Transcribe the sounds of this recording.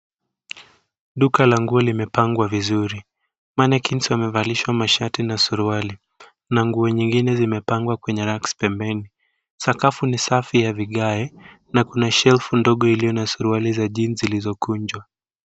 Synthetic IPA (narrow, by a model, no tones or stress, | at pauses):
ɗukalaŋɡuɔlimɛpaŋɡwavizuɾi | manɛkʰinsamɛvaliʃwamaʃatinasuɾuwali | naŋɡuɔɲiŋɡinɛzimɛpaŋɡwakwɛɲɛɾakspɛmbɛni | sakafunisafijaviɠaɛ | nakunaʃɛlfundɔɠɔilijɔnasuɾuwalizaʄinzilizɔkuɲd͡ʒwa